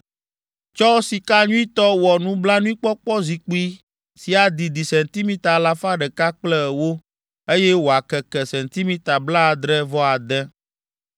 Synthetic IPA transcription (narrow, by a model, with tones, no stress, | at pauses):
t͡ʃɔ˦si˨ka˦ɲũ˦i˦t̪ɔ˦wɔ˨nũ˦bla˦nũ˦i˦k͡pɔ˦k͡pɔ˦zi˨k͡pi˦ | si˨a˨d̪i˨d̪i˨sɛ˨nt̪i˦mĩ˦t̪a˨la˦fa˦ɖɛ˨ka˦k͡plɛ˦˨wo˦ | e˦jɛ˦wo˨a˨kɛ˨kɛ˨sɛ˨nt̪i˦mĩ˦t̪a˨bla˦˨d̪ɾɛ˦vɔ˦a˨d̪ɛ˦